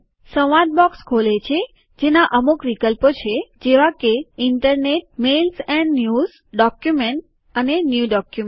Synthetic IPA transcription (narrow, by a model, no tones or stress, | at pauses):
sə̃ad̪̚bɔkskʰolet͡ʃʰe | d͡ʒenaʔəmukʋikəlpot͡ʃʰed͡ʒeʋakeɪɳʈəɾneʈ̚melsɛ̃ɳɖnjuz | ɖɔkjumeɳʈ | ənenjuɖɔkjum